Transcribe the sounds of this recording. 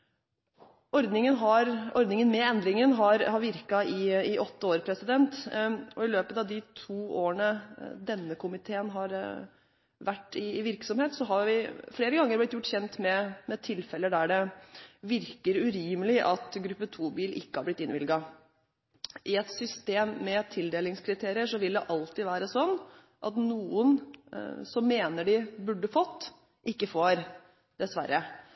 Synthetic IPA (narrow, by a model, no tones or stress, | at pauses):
ɔɾd̪nɪŋənɦɑɾɔɾd̪nɪŋənmɛɛnd̪ɾɪŋənɦɑɾhɑɾʋɪɾkɑɪɪʔɔt̪ːəoːɾpʰɾɛsɪd̪ɛnt̪ɔɪløːpət̪ɑʋd̪ɪt̪ʰuːoːəɳəd̪ɛnːəkʰʊmɪt̪ʰeːənɦɑɾ | ʋæʈːɪʋɪɾksɔmheːt̪sɔɦɑɾʋɪfleːɾəɡɑŋːəɾblɪt̪jʊʈːçɛnt̪mɛmɛt̪ʰɪlfɛlːəd̪æɖɛʋɪɾkəɾʉɾiːməlɪʔɑt̪ɡɾʉpːət̪ʰuːbiːlɪ̰kːəhɑɾblɪt̪ːɪnʋɪlɡɑ | ʔɪɛt̪sʏst̪eːmːɛt̪ʰɪld̪eːlɪŋskʰɾɪt̪ʰeːɾɪəʂɔʋɪld̪ɛʔɑlt̪ɪʋæːɾəsɔnː | ʔɑt̪nuːən | sɔmːeːnəɖɪbʉɖːəfɔt̪ː | ʔɪkːəfoːɾ | d̪̥ɛsʋæ̰ɾːə